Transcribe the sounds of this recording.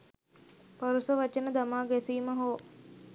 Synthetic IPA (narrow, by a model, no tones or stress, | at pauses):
pɐɾusəʋat͡ʃenəd̪amaːɡɛsiːməɦoː